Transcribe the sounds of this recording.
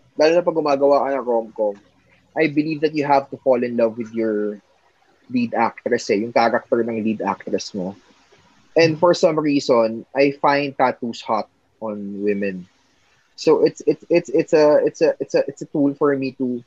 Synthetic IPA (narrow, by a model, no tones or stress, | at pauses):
d̪aːlonɐp̬ɐɡʊmaːɡɐwaːkɐnɐŋɾomko | ʔajbɪlivd̪ɐt̪̚jʊɦavt̪ʊfɔlɪ̃nlɐvwɪd̪jɔɹ | lid̪ak̚t̪ɾɛsɛjʊŋkaːɾɐk̚t̪ɔɹnɐŋlid̪ʔa̰k̚t̪ɾɛsmo | ʔɛ̃nd̪fɔɹsɐ̃mɹiːsɔnʔajfãjnd̪̚t̪aːt̪ushat̪̚ | ʔɔnwɪmɛ̃n | sowʔɪt̪sɪt̪sɪt̪sɪt̪sɐɪt̪sɐʔɪt̪sɐʔɪt̪sɐt̪ulfɔɹmit̪u